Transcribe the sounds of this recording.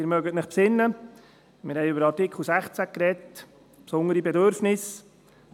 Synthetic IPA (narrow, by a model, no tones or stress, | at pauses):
ɪɾmœɡətnɪχpsɪnːə | mɪ̰ɾhɛɪɵbəɾɑɾtɪkʰl̩ˠsæχt͡sækɾɛt | psʊnəɾibɛdøɾfnɪs